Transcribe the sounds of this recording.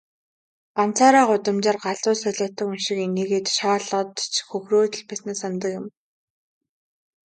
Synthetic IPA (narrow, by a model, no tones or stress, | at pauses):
ɢ̥an̥t͡sʰaːɾaːɢʊt̪ə̆mt͡ɕăːrɢaɮʊːsœɮə̆ːt̪ə̆kɵnʃɪ̆keneːɣeːt̪ʃaːɮə̆t̪t͡ɕʰxɵxroːt̪̆ɮpæsneːsant̪̬ə̆kjɪ̆m